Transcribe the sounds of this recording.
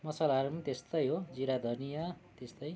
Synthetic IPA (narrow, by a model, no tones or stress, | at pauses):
mʌsalaʌɾumt̪est̪ʌjɦod͡ziɾad̪ʱʌnijʌt̪est̪ʌj